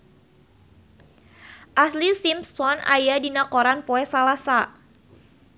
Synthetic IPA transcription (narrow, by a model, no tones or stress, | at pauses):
ʔaslisimssɔna̰jadinakɔɾanpɔɛsalasa